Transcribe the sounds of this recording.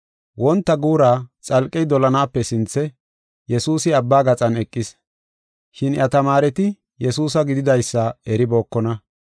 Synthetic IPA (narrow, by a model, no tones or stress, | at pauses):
wʔɔnt̪ːɐɡuːɾaːt͡sʼɐlkʼːɛjd̪ɔlɐnaːpːɛsɪnt͡sːɛ | jɛsuːsɪɐbːaːɡɐt͡sʼɐnɛkʼːɪs | ʃɪnjʔɐt̪ɐmaːɾɛt̪ɪ | jɛsuːs̬ɐɡɪd̪ɪd̪ɐjsːɐɛɾɪbo̞ːkːɔnɐ